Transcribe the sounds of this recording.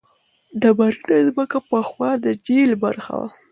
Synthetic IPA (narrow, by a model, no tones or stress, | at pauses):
ɖabaɾinazməkapəxwɑd̪əd͡ʒelbaɾxa̰wa̰